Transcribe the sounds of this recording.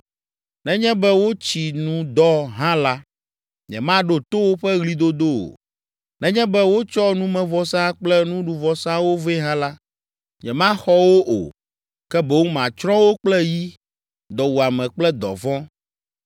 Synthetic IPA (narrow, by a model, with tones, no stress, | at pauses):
nɛ̃˦ɲɛ̃˦bɛ˦wo˦t͡ɕi˨nũ˦d̪ɔ˦ɦã˦la˦ | ɲɛ̰̃˨mã˦ɖo˦t̪o˦wo˦ɸɛ˦ɣli˦d̪o˦d̪o˦o̰˨ | nɛ̃˦ɲɛ̃˦bɛ˦wo˦t͡ʃɔ˦nũ˦mɛ̃˨vɔ˨sã˦k͡plɛ˦nũ˦ɖu˨vɔ˨sã˦wo˦ve˦ɦã˦la˦ | ɲɛ̰̃˨mã˦xɔ˦wo˦ʔo̰˨ | kɛ˦bɛ˦wu˦mã˨t͡ʃɾɔ̃˦wo˦k͡plɛ˦ji˦ | d̪ɔ˨wu˨a˨mɛ̃˨k͡plɛ˦d̪ɔ̰˨vɔ̃˦